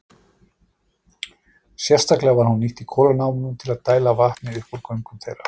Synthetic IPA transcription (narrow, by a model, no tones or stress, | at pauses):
sjɛr̥st̪aklɛɣavaɾ̥hunːiht̪ikʰɔːlanaːwmʏnʏmt̪ʰɪlaðt̪aːjlavaht̪nɪʏhpɔɾkʰœɥmkʏmθḛjrːa